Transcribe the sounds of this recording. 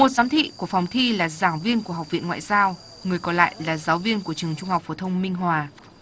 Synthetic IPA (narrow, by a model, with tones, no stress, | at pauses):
mo˨˩t̚zaː˨˦mt̪ʰḭ˧˨ku˧˩əfa˨˩wŋ͡mt̪ʰi˧laː˨˩zaː˧˩ŋvi˧ənku˧˩əɦa˨˩wk͡p̚vḭ˧˨nŋwa̰ː˧˨jzaː˧w | ŋɨ˨˩əjkɔ˨˧˦la̰ː˧˨jlaː˨˩zaː˨˦wvi˧ənku˧˩ət͡ɕɨ˨˩əŋt͡ɕʊ˧ŋ͡mha˨˩k͡p̚fo˨˧˩t̪ʰə˧wŋ͡mmï˧ŋ̟ɦwaː˨˩